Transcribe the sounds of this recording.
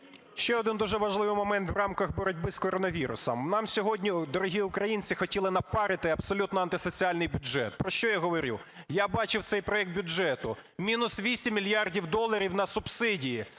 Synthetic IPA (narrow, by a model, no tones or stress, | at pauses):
ʃt͡ʃɛɔd̪ɪnd̪uʒɛʋɐʒlˠɪʋɪjmɔmɛnt̪wrɑmkɐxbɔɾɔdʲbɪskɔɾɔnɐʋʲiɾʊ̰sɔ̰mnɑmsʲɔɦɔdʲnʲid̪ɔɾɔɦʲiʊkɾɐjinʲt͡sʲɪxɔtʲilˠɪnɐpɑɾɪt̪ɪɐbsɔlʲut̪nɔɐnt̪ɪsɔt͡sʲiɑlʲnɪjbʲʊdʒɛ̰t̪̚pɾɔʃt͡ʃɔjaɦɔʋɔɾʲṵ | jabɑt͡ʃɪwt̪sɛjpɾɔɛkt̪̚bʲʊɛt̪ʊmʲinʊsʋʲisʲimʲːilʲjɑrdʲiwd̪ɔlˠːɐɾʲiwnɐsʊb̥sɪdʲiji